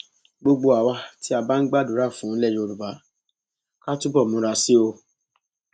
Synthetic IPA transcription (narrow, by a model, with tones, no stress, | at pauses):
ɡ͡bo˧ɡ͡bo˧a˨wa˧ti˦a˧ba˦n̩˦ɡ͡ba˦du˨˦ɾa˦˨fũ˨˦˨lɛ˦˨jo˧ɾu˨ba˨˦ | ka˦tu˦bɔ˦˨mũ˧˦ɾa˧si˦o˧